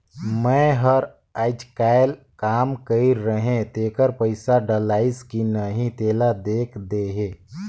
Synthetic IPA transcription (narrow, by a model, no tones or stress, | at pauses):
mə̃ɦəɾ | aːɪd͡ʒkael | kaːmkəiɾəɦẽt̪eːkəɾpəɪsaɖəlaːɪskinəɦĩt̪eːlad̪eːkʰd̪eɦeː